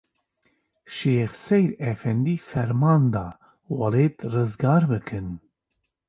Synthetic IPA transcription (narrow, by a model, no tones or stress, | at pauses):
ʃeːxsɛjɾɛfɛnd̪iːfɛɾmɑːnd̪ɑː | wɑleːt̪rɨzɡɑːɾbɨkʰɨn